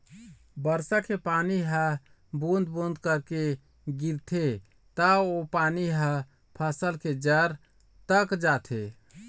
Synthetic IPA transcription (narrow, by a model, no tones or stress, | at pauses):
bəɾsakepaniɦə | bund̪bund̪kəɾke | ɡiɾt̪ʰe | t̪əopaniɦə̃ | pʰəsəlked͡ʒəɾ | t̪əkd͡ʒat̪ʰe